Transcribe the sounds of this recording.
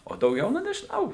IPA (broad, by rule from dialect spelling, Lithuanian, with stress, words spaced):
oː dɐʊˈɡʲɛʊ ˈnʊ nʲɛʒʲɪˈnɐʊ